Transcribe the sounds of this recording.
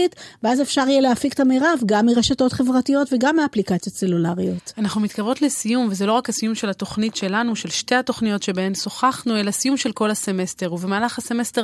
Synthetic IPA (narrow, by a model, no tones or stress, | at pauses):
itveaze̞fʃaʁijeleafiktameʁavɡamːiʁeʃato̞tχe̞vʁatijo̞tveɡamːiaplikat͡sjo̞tse̞lulaʁijo̞tanaχnumitkavotlesijumvezelo̞ʁakhasijumʃe̞lhato̞χnitʃe̞lanuʃe̞lʃte̞hato̞χnijo̞tʃebehe̞mso̞χaχnue̞lasijumʃe̞lko̞lhase̞me̞ste̞ʁuvemaːlaχhase̞meste